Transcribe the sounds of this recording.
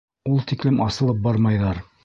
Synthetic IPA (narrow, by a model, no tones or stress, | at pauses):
ulˠt̪iklɘmʔɑsɤ̆lˠɤp̚bɑɾmɑjðɑɾ